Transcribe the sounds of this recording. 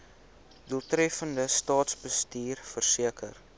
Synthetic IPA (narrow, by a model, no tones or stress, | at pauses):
duəlˠtɾɛfəndəstɑːtsbəstiːrfərsiəkər